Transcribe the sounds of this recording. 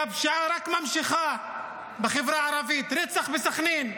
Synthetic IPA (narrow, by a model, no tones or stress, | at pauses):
abʃaɾakmamʃɪχa | beχevɾaʕaɾɑvit̪ɾɛt͡saχbesaχniːn